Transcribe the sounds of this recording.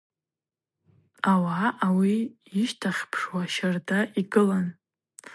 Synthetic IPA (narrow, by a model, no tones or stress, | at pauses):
awaawiː | ʃtʰaχʲpʰʂwaʃardaʔiɡɨlan